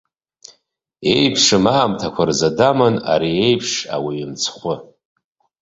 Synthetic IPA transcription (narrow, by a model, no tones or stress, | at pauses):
e̞jpʰʂɨmaːmtʰakʷʰarzadamana̰ɾie̞jpʰʂa̰wiimt͡sʰχʷʊ